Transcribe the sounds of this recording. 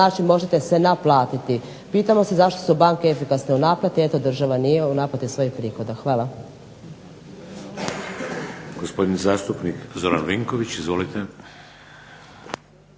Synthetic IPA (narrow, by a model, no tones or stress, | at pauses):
aːt͡ʃinmo̞ʒet̪e̞sʋe̞naplˠaːt̪it̪i | piːt̪amo̞sezaʃt̪o̞̥subaːŋkeefikasneunaːplˠat̪iet̪od̪r̩ʒaʋanije̞unaːplat̪isʋo̞jixpɾiːxo̞d̪axʋaːlˠa | ɡ̥ospo̞d̪inzaːst̪upnikzo̞ɾanʋiŋkoʋit͡ɕizʋolit̪e